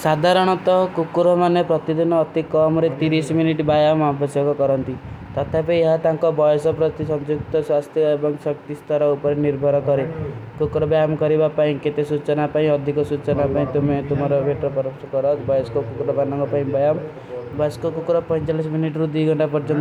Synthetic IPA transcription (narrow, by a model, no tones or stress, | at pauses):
sad̪ʱaɾɔɽ̃ɔt̪ɔkukuɾɔmanepɾɔt̪id̪inɔːt̪ikɔmɾet̪iɾisminiʈbajamabʰɔsjɔkɔkɔɾɔnt̪it̪ɔt̪ʰapeeɦat̪aŋkɔbɔjɔsɔpɾɔt̪isɔnd͡ʒuk̚t̪ɔswast̪jɔebɔŋsɔkt̪ist̪ɔɾɔupɔɾeniɾbʱɔɾɔkɔɾekukɾɔbjamkɔɾibapaĩket̪esut͡ʃɔnapaĩɔd̪ʱikɔsut͡ʃɔnapaĩt̪umet̪umɔɾɔbʱeʈɾɔpɔɾɔsɔkɔɾɔt̪bɔjɔsɔ̥kukukuɾɔbanɔŋkɔpaĩbajam | bɔjɔskukukuɾɔpɔ̃jt͡ʃalisminiʈɾud̪ujɡʱɔɳʈapɔɾd͡ʒɔnt̪ɔ